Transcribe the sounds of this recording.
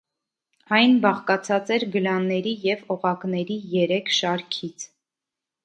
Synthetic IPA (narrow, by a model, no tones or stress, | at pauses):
ɑjnbɑχkɑt͡sʰɑt͡sɛɾɡəlɑnːɛɾijɛvɔʁɑknɛɾijɛɾɛkʰʃɑɾkʰit͡sʰ